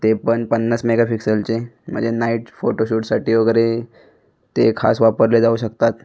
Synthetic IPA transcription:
t̪epəɳpənːəsmeɡafiksəlt͡ɕem̤ə̰̃ɳd͡zenaiʈfoʈoɕuʈsaʈiːoɡəɾe | t̪ekʰa̰sʋapəɾled͡zauɕəkt̪at̪

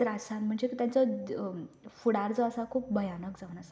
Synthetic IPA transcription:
ɾasanm̤əɳd͡zekit̪jant͡sɔ | fuɽaɾt͡səəsakʰuːp̚bʱəjanəkd͡zaʋnasa

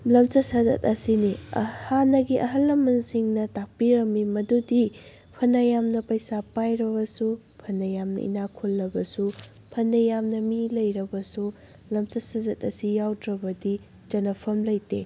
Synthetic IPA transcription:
lɐmt͡ʃɐsɐzɐ̰tɐsiniɐ̰hanɐɡiʔɐɦɐlːɐmɐnsiŋnɐtak̚piɾɐmːimɐdudi | pʰɐnɐjamnɐpɐjsapajɾɐbɐsu | pʰɐnɐjamnɐ̰ḭnakʰulːɐbɐsu | pʰɐnːɐjamnɐmilɐjɾɐbɐsu | lɐmt͡ʃɐsɐzɐtɐsijawdɾɐbɐdi | d͡ʒɐnɐpʰɐmlɐjte

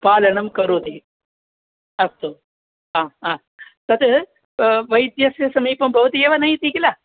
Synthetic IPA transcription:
paːlɐɳɐmkɐɾuːt̪i | ɐst̪u | aːaː | t̪ɐt̪ | ʋɐjd̪jɐsjɐsɐmiːpɐmbʱɐʋɐt̪ieːʋɐnɐjit̪iːɡila

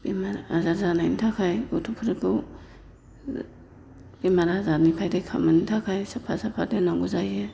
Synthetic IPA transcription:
bimaɾazazanajnitʰakʰajɡotʰupʰuɾɯpɯw | bimaɾazanipʰajdekʰa̰manitʰakʰajsapʰa̰sapʰadenaŋɡuzaje

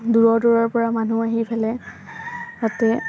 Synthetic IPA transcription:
duɹɔdɔɹɔɹpɔɹamanuaɦipʰɛlɛ | tatɛ

